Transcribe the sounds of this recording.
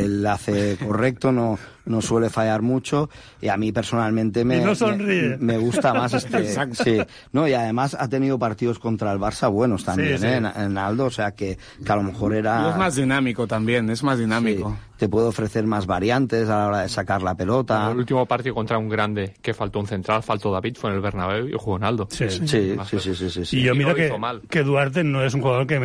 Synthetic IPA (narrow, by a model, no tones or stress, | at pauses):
elːaθekorek̚t̪ono | no̞swe̞le̞fajaɾmut͡ʃo | iamipe̞ɾsonalmẽnt̪emenosonriemeɣ̞ust̪ammas̬est̪eaksi | no̞iað̞e̞masa̰t̪e̞niðopaɾt̪iðo̞sko̞nt̪ɾaelβ̞aɾsaβ̞we̞no̞st̪amjeneenald̪oːse̞ake | kealo̞mexo̞ɾeɾaezmazðinãmikot̪ambje̞nezmazðinãmikot̪epweðoofɾeθe̞ɾmazβaɾjant̪e̞s̬alao̞ɾaðe̞sakaɾlape̞lo̞t̪alult̪imopaɾt̪iðokont̪ɾauŋɡɾand̪e̞ke̞falt̪ounθe̞nt̪ɾalfalt̪oðaβit̪fwenelβeɾnaβewo̰xuɣonald̪osisiasisisisisiʝomiɾokeomalkeðwaɾt̪̬enoes̬uŋxuɣaðoɾke